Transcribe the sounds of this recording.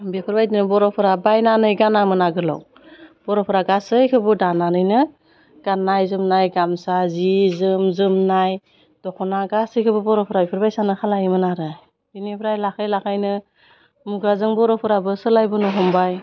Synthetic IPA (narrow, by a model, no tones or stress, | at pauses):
bepʰɯɾbajdinɯbɔɾɔpʰɯɾabajnanɯjɡanamɯnaɡɯlɔ̰w | b̥ɔɾɔpʰɯɾaɡasɯjkʰɯbɯdananɯjnɯ | ɡ̥anːajzɯmnajɡamsazizɯmzɯmnaj | d̥ɔkʰɔnaɡasɯjkʰɯbɯbɔɾɔpʰɯɾabipʰɯɾbajsanɯkʰalajimɯnaɾɯ | inibʰɾajlakʰɯjlakʰajnɯ | muɡɾazɯŋbɔɾɔpʰɯɾabɯsɯlajbɯnuɦɔmbaj